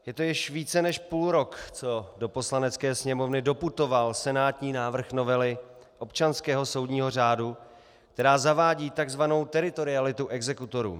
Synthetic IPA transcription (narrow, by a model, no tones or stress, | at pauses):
jɛt̪o̞jɪʃviːt͡sɛnɛʃpuːlɾo̞kt͡so̞do̞po̞slanɛt͡skɛːsɲɛmo̞vnɪdo̞put̪o̞valsɛnaːt̪ɲiːnaːvr̩xno̞vɛlɪ | ʔo̞pt͡ʃanskɛːɦo̞so̞wdɲiːɦo̞r̝aːdu | k̚t̪ɛɾaːzavaːɟiːt̪aɡzvano̞wt̪ɛɾɪt̪o̞ɾɪalɪt̪uʔɛɡzɛkut̪o̞ɾṵː